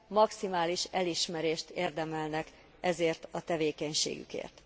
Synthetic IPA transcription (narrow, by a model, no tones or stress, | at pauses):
mɒksimaːliʃɛliʃmɛɾeːʃt̪eːrd̪ɛmɛlnɛk | ɛzeːrt̪ɒt̪ɛveːkɛɲʃḛːɡy̰kḛːrt̪